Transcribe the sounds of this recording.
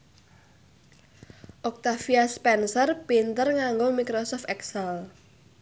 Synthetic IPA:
ʔɔk̚t̪afiaspɛnsərpint̪ərŋaŋɡomikɾosɔft̪ɛksɛl

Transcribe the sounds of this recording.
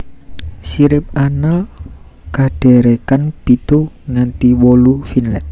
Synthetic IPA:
siɾɪp̚anal | kaɖ̥ɛ̤ɾekanpit̪uŋant̪iwolufinlɛt̪̚

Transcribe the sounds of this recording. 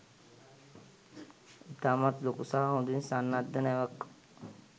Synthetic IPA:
it̪aːmat̪lokusaɦaɦũnd̪insanːad̪ːənəʋək

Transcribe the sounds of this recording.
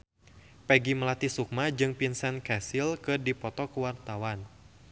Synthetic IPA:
pɛɡiməlat̪isuk̚mad͡ʒɨŋpinsɛnkɛsilkɨrdipɔt̪ɔkəwart̪awan

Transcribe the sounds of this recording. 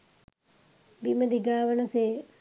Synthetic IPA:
biməd̪iɡaːʋənɐse

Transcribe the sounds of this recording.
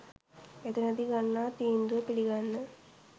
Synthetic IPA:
et̪ənəd̪iɡanːaːt̪iːnd̪uʋəpiliɡanːə

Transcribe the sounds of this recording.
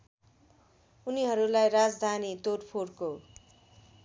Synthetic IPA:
uniɦʌɾulajɾad͡zd̪ʱanit̪orpʰorko

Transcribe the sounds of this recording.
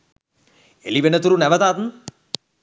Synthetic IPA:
ḛliʋenət̪uɾunɛʋɐt̪aːt̪n

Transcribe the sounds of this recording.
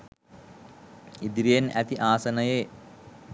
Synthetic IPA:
id̪ɾijenæt̪iʔaːsɐnɐjeː

